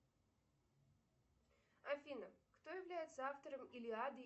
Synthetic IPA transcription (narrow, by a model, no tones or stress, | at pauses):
ɐfʲinəkt̪ojɪvlʲæjɪt̪səaft̪əɾəmɪlʲɪad̪ɨ